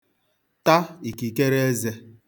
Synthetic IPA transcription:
ta˦i˨ki˨ke˦ɾe˦e˦ze˦

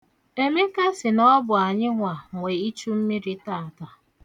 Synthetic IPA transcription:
e˦me˦ka˦sɪ˨nɔ˦bʊ˨a˨ɲɪ˦ŋʷa˨ŋʷe˨i˦t͡ʃu˦m̩˦mi˦ɾi˦taː˦˨ta˨

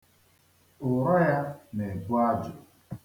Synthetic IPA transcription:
ʊ˨ɾa˦ja˦ne˨bʊ˦a˦d͡ʒʊ˨

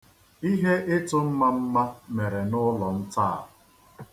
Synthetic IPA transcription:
i˦ɦe˦ʔɪ˦tʊ˦m̩˦ma˦m̩˦ma˦me˨ɾe˨nʊ˦lɔ˨n̩˦ta˦˨ʊ˨

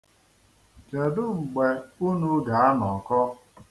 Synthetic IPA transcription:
d͡ʒe˨dʊ˦ŋ͡m̩˨ɡ͡be˨u˦nu˦ɡa˨˦a˦nɔ˨kɔ˦

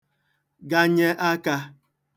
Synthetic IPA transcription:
ɡa˦ɲe˦ʔa˦ka˦

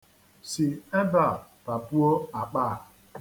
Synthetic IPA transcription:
si˨e˦ba˦˨pa˨bu˦o˦a˨k͡pa˦˨

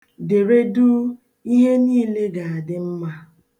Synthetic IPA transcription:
de˨ɾe˦du˦ | i˦ɦe˦niː˦le˦ɡa˨a˨dɪ˦m̩˦ma˦

